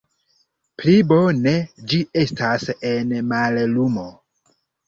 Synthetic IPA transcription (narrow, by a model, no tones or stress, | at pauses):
plibo̞ne̞d͡ʒie̞stasenmallumo̞